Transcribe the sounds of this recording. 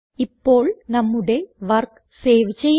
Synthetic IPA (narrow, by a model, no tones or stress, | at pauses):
ipːo̞ːɭnɐmːuɽe̞ʋɐrk | seːʋt͡ɕːej